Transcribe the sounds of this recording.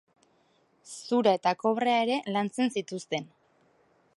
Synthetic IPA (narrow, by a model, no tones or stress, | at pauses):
suɾae̞t̪ako̞βre̞ae̞ɾe̞lant͡se̞nsit̪ust̪e̞n